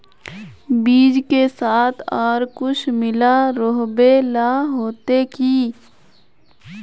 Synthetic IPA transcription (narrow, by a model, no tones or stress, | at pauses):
biːd͡ʒkesaːt̪ʰɔːɾkʊt͡ʃʰmɪlaɾoɦbelaɦoːt̪ekiː